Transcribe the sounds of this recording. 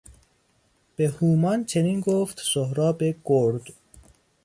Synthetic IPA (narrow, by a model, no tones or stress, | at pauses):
b̥ehuːmɒnt͡ʃʰeniːnɡoːft̪sohɾɒːbeɡ̥oɾd̪̥